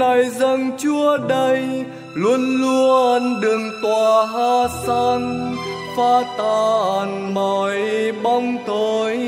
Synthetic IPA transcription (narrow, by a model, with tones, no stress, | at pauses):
a˨˩jzə˧ŋt͡ɕu˧əɗə˧j | lu˧ənlu˧əənɗɨ˨˩ŋt̪waː˨˩ɦaː˧sa˧n | faː˧t̪aː˨˩˨nmɔ˨˩jɓa˧wŋ͡mt̪ʰo˧˩j